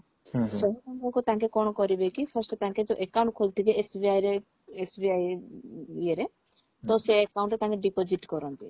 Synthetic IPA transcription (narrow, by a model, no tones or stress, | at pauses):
sɔɦubɔŋkɔkut̪aŋkekɔɽ̃ɔkɔɾibekipʰɔɾsʈɔt̪aŋked͡ʒoʔekawũɳʈ̚kʰolt̪ʰibeesbiajɾe | esbiaj | ieɾe | t̪ɔseekawɳʈɾet̪ãŋkeɖipod͡ʒiʈkɔɾɔnt̪i